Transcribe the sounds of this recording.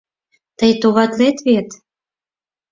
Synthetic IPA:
t̪əjt̪oβɑt̪let̪βet̪

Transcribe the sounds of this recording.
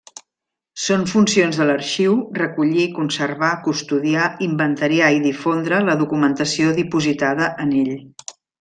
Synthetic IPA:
soɱfunsionzðələɾʃiwrəkuʎikunsəɾβakust̪uðiaimbənt̪əɾiaiðifond̪ɾələðukumənt̪əsioðipuzit̪aðəʔəneʎ

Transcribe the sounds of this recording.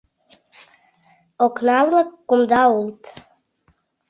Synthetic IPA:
oknavlakːumd̪ault̪

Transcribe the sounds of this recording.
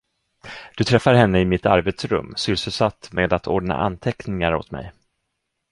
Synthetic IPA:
d̪̥ɵt̪ʰɾɛfːaɾɦɛnːəɪmɪt̪a̰ɾbeːt̪sɾɵ̰mːsʏlsɵlsat̪ːmeːd̪at̪ʰoːɖɳa̰ʔa̰nt̪ʰɛknɪŋaɾo̰t̪mɛ̰j

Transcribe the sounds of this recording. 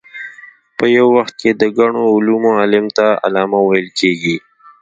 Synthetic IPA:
pəjawːaxt̪̚ked̪əɡaɳ̃oʊlumoalɪmt̪aa̰lɑːmawajəlkeɡi

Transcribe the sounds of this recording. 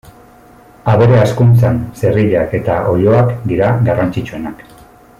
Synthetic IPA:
aβe̞ɾe̞askunt͡sanse̞riʎake̞t̪aʔo̞ʎo̞akd̪iɾaɡarant͡sit͡ʃue̞nak

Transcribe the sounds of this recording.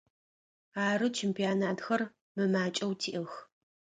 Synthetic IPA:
aːɾɨt͡ʃʰɛmpʰijaːnaːtxɐr | mɨmaːt͡ʃʼɐwtʰiːʔɨx

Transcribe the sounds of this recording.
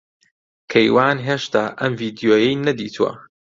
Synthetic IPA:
kʰɐjwaːnɦeːʃt̪aːʔɐmviːd̪ijoːjɐjnɐd̪ḭːt̪ʰuwɐ̰

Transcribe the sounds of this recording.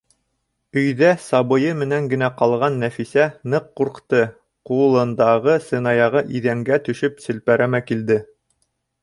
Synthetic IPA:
ɵ̆jðæsɑβɤ̆jɤmɘ̆næŋɡɘ̆næqɑlˠʁɑnːæfisænɤqːuɾqt̪ɤ | qulˠɤ̆nd̪ɑʁɤsɤ̆nɑjɑʁɤʔiðæŋɡæt̪ɵ̆ʃɵpsɘ̆lpæɾæmækild̪ɘ

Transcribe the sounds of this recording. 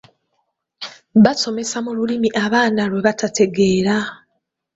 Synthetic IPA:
βaso̞me̞samululimiʔaβaːnaɾwe̞βatatʰe̞ɡe̞ːɾa

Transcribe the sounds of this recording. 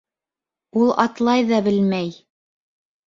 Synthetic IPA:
ulˠɑt̪lˠɑjðɑbɘlmæj

